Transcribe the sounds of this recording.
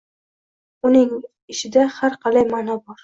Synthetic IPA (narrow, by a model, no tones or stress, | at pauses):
ʊnɪŋ | ɪʃɪd̪ahaɾqʰɑlajmanɒbɒɾ